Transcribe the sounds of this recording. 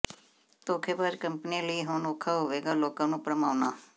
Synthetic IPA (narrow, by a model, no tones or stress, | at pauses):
t̪oːkʰebaːɾkəmpnĩləiːɦoːnoːkʰaɦʊʋeːɡaːloːkãːnũːpɾəmaːʋnaː